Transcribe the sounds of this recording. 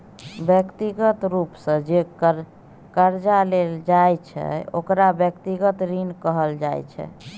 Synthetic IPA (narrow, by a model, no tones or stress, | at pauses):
bjəkt̪iɡət̪ɾupsə̃d͡ʒe | kəɾd͡ʒaleld͡ʒajt͡ʃʰɛ̰o̰kɾabjəkt̪iɡət̪ɾinkəɦəld͡ʒajt͡ʃʰɛ̰